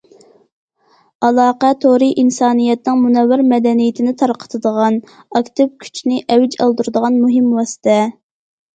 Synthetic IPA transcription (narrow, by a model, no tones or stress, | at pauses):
ɑlˠɑːqɛt̪ʰoɾiʔinsɑːnijɛt̪nɨŋmunɛwːɪɾmɛd̪ɛnijɪt̪ʰɪnɪt̪ʰɑɾqʰə̥t̪ʰɨd̪əʁɑn | ɑkʲt̪ɪpkʲʰy̥t͡ʃʰnɪʔɛwɪd͡ʒɑ̰lˠd̪uɾɨd̪əʁɑnmuɦɪmwɑsɨ̥t̪ʰɛ